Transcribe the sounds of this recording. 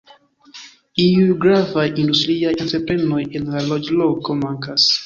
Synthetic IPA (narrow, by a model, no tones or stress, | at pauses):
iuɡɾavajindustɾiajenteɾpɾenojenlalɔd͡ʒlokomaŋkas